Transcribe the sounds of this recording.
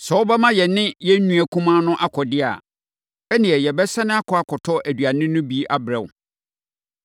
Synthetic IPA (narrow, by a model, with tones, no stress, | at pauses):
sɛ˨wʊ˦bɛ˦mã˦jɛ˨nɪ̃˦jɛ˦nũ˦æ˨kʰũ˦mã˦nʊ̃˦ʔa˦kʰɔ˨dɪ˦a̰˨ | ɛ˦nĩ˨ɛ˨jɛ˨bɛ˦sã˦nɪ̃˦a˦kʰɔ˨a˨kʰɔ˨tʰɔ˦ʔæ˨dɥa˨nɪ̃˦nʊ̃˦bi˦ʔa˦bɾɛ̃˨w